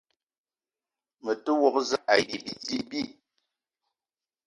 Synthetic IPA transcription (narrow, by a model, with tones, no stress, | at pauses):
mə˨tə˦wɔ˨kza˦˨ʔa˨ji˨bi˨d͡zi˦bi˦˨